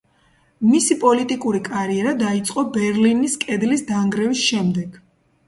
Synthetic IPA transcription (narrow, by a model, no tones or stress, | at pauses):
misipʼɔlit̪ʼikʼuɾikʼaɾiɛɾad̪ait̪sʼqʼɔbɛɾliniskʼɛd̪lisd̪aŋɡɾɛvisʃɛmd̪ɛɡ̥